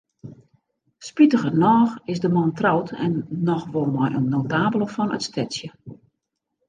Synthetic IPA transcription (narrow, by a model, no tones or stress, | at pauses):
spitəɣənɔːxɪsdəmɔntrawtʰɛ̰nːɔxʋolˠmɔjʔə̰nnːowtaːbəlˠəfɔnə̰tstʰɛtsjə